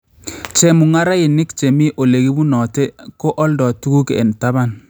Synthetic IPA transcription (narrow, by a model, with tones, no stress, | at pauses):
t͡ʃɛ˨mu˨ŋa˦ɾa˦ɪ˨nɪ˦kt͡ʃe˨mi˦ʔo˨le˨ɡi˦bu˦nɔ˨tɛ˦kɔ˦ʔɔ˦ldɔ˨tu˦ku˦kḛ˨nta˦βa˦˨n